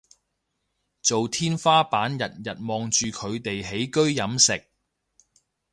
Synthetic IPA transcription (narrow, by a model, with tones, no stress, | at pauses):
t͡so˨wt̪ʰiː˥nfaː˥paː˨˥njɐ˨t̚jɐ˨t̚mɔː˨˧ŋt͡ʃyː˨kʰɵ˨˧ɥt̪e˨jɦe˨˥jkɵ˥ɥjɐ˨˥msɪ˨k̚